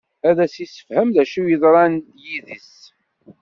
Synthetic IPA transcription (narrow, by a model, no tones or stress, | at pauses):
æðæsisə̥fhæmðæʃujəðˤɾˤɑnd̪jiðəs